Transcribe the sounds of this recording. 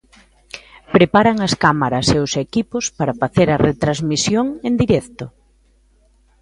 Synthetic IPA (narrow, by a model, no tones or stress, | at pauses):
pɾepaɾɐŋɐskamaɾɐseʊsekipʊspaɾɐfaθeɾɐret̪ɾazmisjoŋend̪iɾɛkt̪ʊ